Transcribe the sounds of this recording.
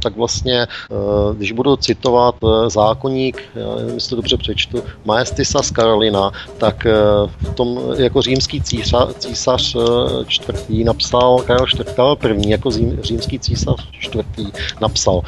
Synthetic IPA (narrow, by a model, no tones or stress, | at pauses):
t̪aɡvlast̪ɲɛ | ɡdɪʒbudut͡sɪt̪o̞vat̪zaːkoɲiːkja̰ːnɛ̰nmɪsɪ̥t̪odobr̝ɛpr̝̥ɛt͡ʃt̪umajɛst̪ɪsaskaɾolɪnat̪akft̪o̞mjakor̝iːmskiːt͡siːat͡siːsar̥t͡ʃt̪vr̩t̪iːnapsalkaɾɛlt͡ʃt̪vr̩t̪kavɛlpr̩vɲiːjakozimriːmskiːt͡siːsar̥t͡ʃt̪vrt̪iːnapsal